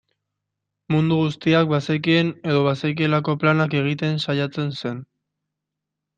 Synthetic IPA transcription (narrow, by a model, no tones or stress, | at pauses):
mund̪uɣ̞ust̪iak̚basek̬ie̞ne̞ðo̞βasek̬ielako̞planake̞ɣ̞it̪e̞nsajat͡se̞nse̞n